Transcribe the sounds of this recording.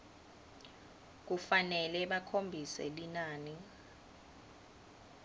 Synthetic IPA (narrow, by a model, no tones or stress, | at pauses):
k̬ufanɛlɛɓakʰombʱisɛ̰linaːni